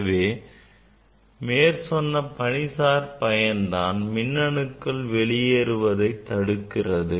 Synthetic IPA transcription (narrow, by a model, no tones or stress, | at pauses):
ʋeː | meːɾsɔnːɐpɐɳɪsaːɾpɐjɐnd̪aːnmɪnːɐɳɯkːɐɭʋɛɭɪjeɾɯʋɐðɐɪt̪ːɐɽɯkːɪrɐðɯ